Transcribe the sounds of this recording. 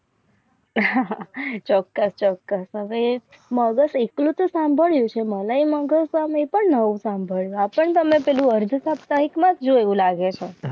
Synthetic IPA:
ɦat͡ʃɔkːəst͡ʃɔkːəsɦəʋe | məɡəseklũt̪osãmbʱəɭjũt͡ʃʰeməlaiməɡəsamepəɳnəʋũsãmbʱəɭjũapəɳt̪əmepelũəɾd̪ʱsapt̪aɦikmãd͡ʒd͡ʒoeʋũlaɡet͡ʃʰo

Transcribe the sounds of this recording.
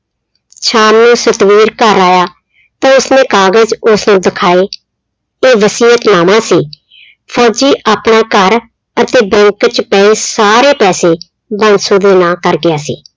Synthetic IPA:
t͡ʃʰaːmnũːsət̪ʋiːɾkəɾaːjaː | t̪ãːʊsnẽːkaːɡəd͡ʒʊsnũːd̪ɪkʰaːeː | eːʋəsiːət̪naːmãːsiː | pʰɔːd͡ʒiːʔaːpɳaːkəɾ | ət̪eːbɛ̃ŋkt͡ʃpɛːeːsaːɾeːpɛːseː | bənsõːd̪eːnãːkəɾɡɪjaːsḭː

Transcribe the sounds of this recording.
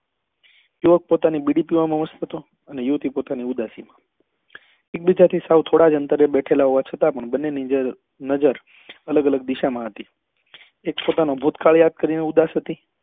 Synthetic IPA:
juʋək̚pot̪anibiɽipimãmãʋəst̪ʰət̪o | ənejut̪ipot̪aniud̪asimã | ek̚bid͡ʒat̪ʰisawt̪ʰoɽad͡ʒənt̪əɾebɛʈʰelaɦoʋat͡ʃʰət̪apəɳbənːenid͡ʒə | nəd͡ʒəɾ | ələɡələɡ̚d̪iʃamãɦət̪i | ekpot̪anobʱut̪kaɭjad̪̚kəɾineud̪asɦət̪i

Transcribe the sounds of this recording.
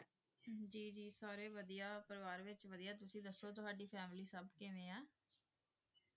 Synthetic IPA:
d͡ʒiːd͡ʒiːsaːɾeːʋəd̪ijaːpəɾəʋaːɾʋɪt͡ʃʋəd̪ijaːt̪ʊsĩːd̪əsːoːt̪ʊɦaːɖiːpʰɛːmliːsəbkɪʋẽːɛ̃ː

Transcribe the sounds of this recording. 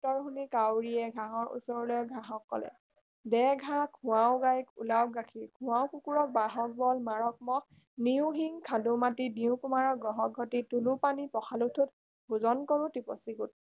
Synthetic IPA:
tɔɹxunikawɹiɛɡʱãɦɔɹʔṵsɔɹlɔjɡʱaɦɔkːɔ̰lɛ̰ | dɛɡʱãkʰʊ̃wawɡajkṵlawɡakʰiɹkʰũwawkukuɹɔk̚baɦɔk̚bɔlmaɹɔk̚mɔ | niʊ̃ɦiŋkʰadumatidiʊ̃kumaɹɔɡɔɦɔkɡʱɔtitulupanipɔxʰalutʰut | bʱuzɔnkɔɹutipɔ̰siɡut̚

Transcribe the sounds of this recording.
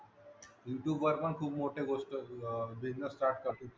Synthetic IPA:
iɳʈuʋəɾpənkʰuːpmoʈʰeɡosʈəbiznəsːʈaɾʈ̚kəɾt̪ũː

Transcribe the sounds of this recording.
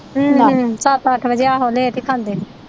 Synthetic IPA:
sat̪əʈʰbəd͡ʒeːaːɦoːleːt̪eːkʰãːnd̪eː

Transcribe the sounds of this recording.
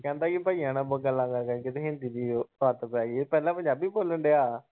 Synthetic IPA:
kɛ̃ːnd̪aːkɪpaːijãːnãːboɡəlːãːɡaːkəɾkɪt̪ẽɦɪ̃nd̪iːd̪iːaːt̪paːiepɛːlãːpəɲd͡ʒaːbiːboːləɳɖeːaː

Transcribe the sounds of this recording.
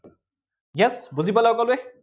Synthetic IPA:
jɛsbuzipalawkɔlʊɛ

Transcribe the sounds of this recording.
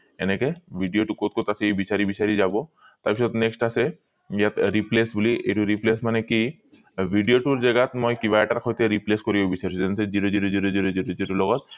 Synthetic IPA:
enekebʱiɖijoʈukot̪̚kot̪aseejbisaɾibisaɾizabɔ | t̪abis̬ɔt̪neksʈase | ijat̪ɾiplesbuliʔejʈuɾiplesmaneki | bʱiɖijoʈuɾd͡ʒaɡat̪mojkiβaeʈaɾxʰojt̪eɾipleskoɾibobisaɾisʰuzɛnʰeziɾod͡ʑiɾod͡ʑiɾod͡ʑiɾod͡ʑiɾod͡ʒiɾɔlɔɡɔt̪̚

